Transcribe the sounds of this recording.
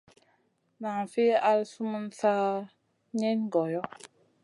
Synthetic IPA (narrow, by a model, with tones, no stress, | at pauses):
na˨ŋfe˦a˦lsu˦mu˦nsa˦ | ɲe˦nɡɔ˨jɔ˦